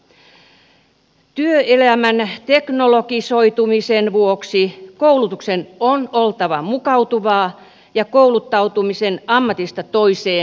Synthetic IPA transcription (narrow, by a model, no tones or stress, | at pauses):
t̪yøelæmænt̪eknolokisoit̪umisenʋuoksikoulut̪uksenonolt̪ɑʋɑmukɑwt̪uʋɑː | jɑkoulut̪ːɑut̪umisenɑmːɑt̪ist̪ɑt̪oiseː